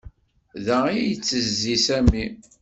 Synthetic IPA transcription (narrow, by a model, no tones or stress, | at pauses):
ðæijət͡sːəzːisæmːi